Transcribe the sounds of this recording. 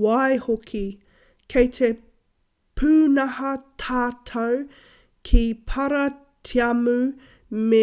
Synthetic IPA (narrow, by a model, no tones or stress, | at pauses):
wajhokʰi | kʰejt̪ʰe | pʰʉːnɐhɐt̪ʰaːt̪ʰɐw | kʰipʰɐɾɐ | tʰiɐmʉ | me